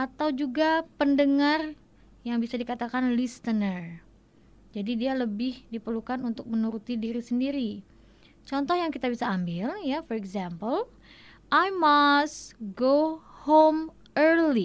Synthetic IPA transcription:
ʔat̪awd͡ʒuɡapəndəŋar | jaŋbisadikat̪akanlist̪ənər | d͡ʒadidialəbɪhdipərlukanunt̪ʊk̚mənuɾut̪idiɾisəndiɾi | t͡ʃɔnt̪ɔhjaŋkit̪abisaːmbɪljafɔɾɛɡzampəl | ʔajmast̪ɡohom | ʔərli

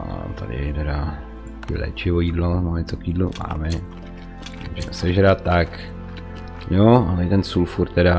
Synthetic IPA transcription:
a̰t̪a̰dɪ̰t̪ɛɾa | kɪlɛ̰ːt͡ʃɪvojiːdlomoɲɛt͡sokjiːdluma̰ːmɛ | muʒɛmɛsɛʒɾat̪t̪ːak | joalɛt̪ɛnsulfuɾt̪ɛda

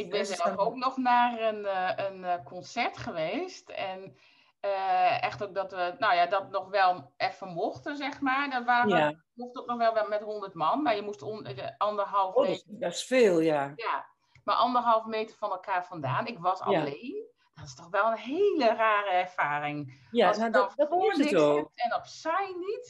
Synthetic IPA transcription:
ɪk̚bɪnsɛlfok̚nɔxnaːrənənkʰɔnsɛɹtxəʋeːstɛn | əɛxtok̚dɔtʋənoːjadɔtnɔxʋɛlˠɛfəmoxtəzɛxmaɹdɔtʋaːə | muxtoknɔxʋɛlˠʋɛmɛtɦondərtmɑnmaɹjəmustoəɔndərɦɑlˠfɛsfeːlˠjaja | maɹʔɔndərɦɑlˠfmeːtərfɔnɛlˠkʰaːɹfɔndaːnɪkʋɔsa̰leːn | d̥ɔtɪstɔxʋɛlˠənɦeːləraːɾəɛɹfaːɾɪŋjaoɪotɛnɔpsɛjnit

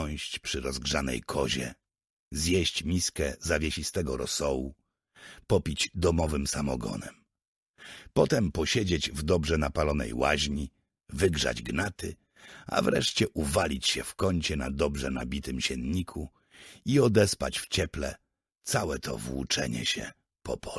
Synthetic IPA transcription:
ɔ̃ɕt͡ɕpʂɘɾɔzɡʐanɛ̰jkʰɔʑɛ̰ | zjɛɕt͡ɕmʲiskɛzavʲjeɕist̪ɛɡɔɾɔsɔwu | pɔpʲid͡ʑd̪ɔmɔvɘmsamɔ̰ɡɔ̰nɛm | pɔt̪ɛmpɔɕɛd͡ʑed͡ʑvd̪ɔbʐɛnapalɔnɛ̰jwaʑɲi | vɘɡʐa̰d͡ʑɡnat̪ɘ | a̰vɾɛ̰ʂt͡ɕɛʔuvalʲit͡ɕɕɛfkɔɲt͡ɕɛnad̪ɔbʐɛna̰bʲit̪ɘmɕɛnɲikʰu | iɔd̪ɛspat͡ɕft͡ɕɛplɛ | t̪sawɛt̪ʰɔ̰vwṵt͡ʂɛɲɛ̰ɕɛ̰ | pɔpʰɔ

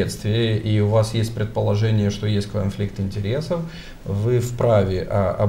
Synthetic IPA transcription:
et̪st̪vʲɪjəʔiʊvasjesʲt̚ʲpɾʲɪt̪̚pəlˠɐʐɛnʲɪjəʂt̪o̞jesʲt̚ʲkɐnflʲik̚t̪ɨnʲtʲɪɾʲe̞səf | vɨfpɾavʲɪʔɐɐ̰

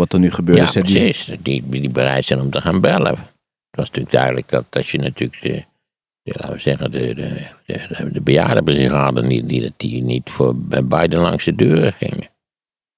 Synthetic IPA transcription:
ɔtdənyχəbøːɹaəsɛəsisdiʋidibərɛjtsɛnɔmtəxaːnbɛlə̰ | ətʋɑsntyːk̚dœɥdələk̚dɑtɑsjənatykdə | la̰əsɛɣədədəədəbəja̰ːdəbriraːdənididt̚dinitfoːbɛbɛjdənlɑ̰ŋsədøːrəχɪ̰ŋə

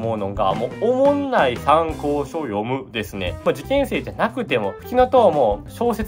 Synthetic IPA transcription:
mo̞ɯ̟no̞ɡa̰moːomõnːaisãŋko̞ːɕojo̞mɯ̟d̪e̞sɨne̞̰mod͡ʑikẽ̞ɰ̃se̞ːd͡ʑanakɯ̟t̪e̞mo̞ɸɯ̟̥kʲiŋat̪oβamoːɕo̞ːse

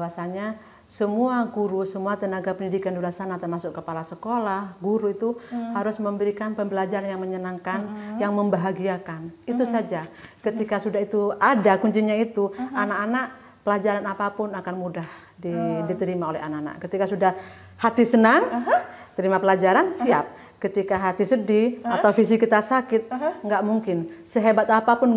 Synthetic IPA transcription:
bawasaɲa | səmuaɡuɾusəmuat̪ənaɡapəndidikandulasanat̪ərmasʊkːəpalasəkolahɡuɾuit̪uhaɾʊsməmbəɾikanpəmbəlad͡ʒaɾanjaŋməɲənaŋkanjaŋməmbaɦaɡiakanit̪usad͡ʒakət̪ikasudaɦit̪uadakuɲd͡ʒiɲait̪uanakanaʔ | pəlad͡ʒaɾanapapʊnakanmudah | didit̪əɾimaolɛ̰ɦa̰naʔana̰ʔkət̪ikasudah | hat̪isənaŋt̪əɾimapəlad͡ʒaɾansiap̚ | kət̪ikaɦat̪isədiat̪awfis̬ikit̪asakɪt̪̚ŋɡaʔmuŋkɪnsəɦebat̪apapʊn

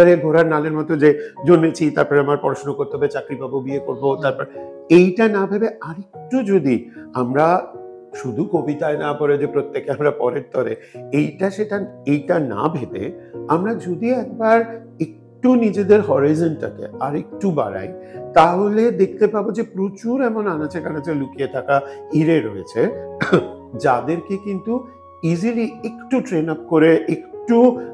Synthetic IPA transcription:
aɾeɡʱoɾaɾnaleɾmɔt̪od͡ʑed͡ʑonːet͡ɕʰit̪aɾpɔɾeamaɾpɔɾaʃnokoɾt̪eɦabet͡ɕakɾibʱabobiekoɾbot̪aɾpɔɾe | ejʈanabʱebeaɾek̚ʈud͡ʑod̪iamɾa | ʃud̪ʱukobit̪aenapɔɾed͡ʑepɾot̪ːekeamɾapɔ̰ɾeɾt̪ɔɾeejʈaʃeʈaejʈana̰bʱebḛamɾad͡ʑod̪iɛk̚baɾ | ek̚ʈunid͡ʑed̪eɾɦɔɾizonʈa̰kḛaɾek̚ʈuba̰ɾa̰jt̪aɦoled̪ek̚t̪epabod͡ʑepɾot͡ɕuɾɛmonanat͡ɕekanat͡ɕelukieʈakaiɾeɾoet͡ɕʰe | d͡ʑad̪eɾkekint̪u | iziliekʈuʈɾenap̚koɾeʔekʈu

